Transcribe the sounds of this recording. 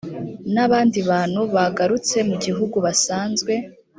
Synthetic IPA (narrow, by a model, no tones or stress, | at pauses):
naβaːndiβaːn̥huβaɡaɾut͡se̞muɟiɦuɡuβasaːnzɡwe̞